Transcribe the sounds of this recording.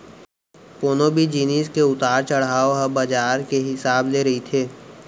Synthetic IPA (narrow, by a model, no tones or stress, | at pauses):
koːnobʱid͡ʒiːniːskeʊt̪aːɾt͡ʃɐɽ̤aːoɦɐbɐd͡ʒaːɾkeɦɪsaːbleːɾɐɦit̪ʰeː